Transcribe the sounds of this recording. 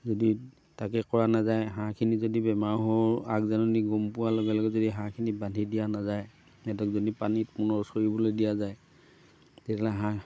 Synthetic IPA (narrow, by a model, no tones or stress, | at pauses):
zɔdi | takɛkɔɹanazajɦãkʰinizodibɛmaɹɦɔɹakzanɔniɡɔmpʊwalɔɡɛlɔɡɛzodiɦãkʰinibadʱidijanazaj | ɛdɔkzɔnipanitmunɔɹsɔɹibɔlodijazaj | tɛtʰalaɦã